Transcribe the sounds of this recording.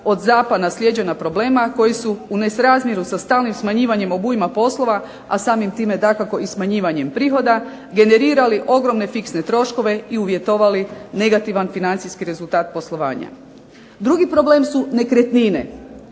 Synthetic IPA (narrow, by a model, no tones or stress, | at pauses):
o̞d̪zaːpad̪naslje̞d͡ʑe̞napɾo̞ble̞ːmako̞jisuune̞sɾaːzmʲje̞ɾusast̪aːlnimsmaɲiːʋaɲe̞mo̞bujimapo̞slo̞ʋa | a̰saːmimt̪iːme̞d̪akako̞ismaɲiːʋaɲe̞mpɾiːxo̞d̪a | ɡe̞ne̞ɾiːɾaliʔo̞ɡɾo̞mne̞fiksne̞t̪ɾo̞ʃko̞ʋe̞iuʋje̞t̪o̞ʋaline̞ɡat̪iʋanfinant̪siskiɾe̞zult̪aːt̪̚po̞slˠo̞ʋa̰ːɲa̰ | d̪ɾuɡipɾo̞ble̞ːmsune̞kɾe̞t̪nine̞̰